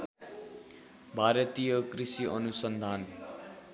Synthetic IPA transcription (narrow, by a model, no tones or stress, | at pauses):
bʱaɾʌt̪ijʌkrisiʔʌ̰nusʌnd̪ʱan